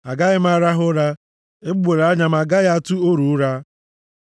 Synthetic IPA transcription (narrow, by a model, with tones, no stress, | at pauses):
a˨ɡa˦ɣɪ˦m˦a˦ɾa˦ɦʊ˦ɾa˦ | e˦bɡ͡be˨ɾa˦ɲa˦ma˨ɡa˦ɣa˦a˦tʊ˦o˦ɾu˨˦ɾa˦